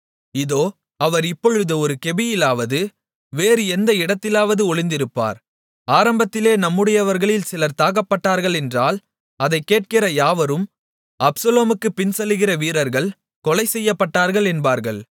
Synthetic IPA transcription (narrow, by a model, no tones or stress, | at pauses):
ɪðoː | ɐʋɐɾɪpːɔɻɯðɯɔɾɯkɛbɪjɪlaːʋɐðɯ | ʋeːɾɯɛnd̪ɐɪɽɐt̪ːɪlaːʋɐðɯɔɭɪnd̪ɪɾɯpːa̰ːɾ | aːɾɐmbɐt̪ːɪleːnɐmːɯɽɐjɐʋɐɾɣɐɭɪlsɪlɐɾt̪aːɣɐpːɐʈːaːɾɣɐɭɛndraːl | ɐðɐɪkːeːʈ̚kɪrɐjaːʋɐɾɯm | ɐpsɐloːmɯkːɯpɪnsɛlːɯɣɪrɐʋiːɾɐɾɣɐɭ | kɔlɐɪsɛjːɐpːɐʈːaːɾɣɐɭɛnbaːɾɣɐɭ